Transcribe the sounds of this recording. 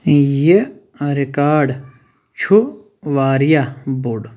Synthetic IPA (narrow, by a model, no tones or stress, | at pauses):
je | ɾikaːɖ | t͡ʃʰu | ʋaːɾjabuɖ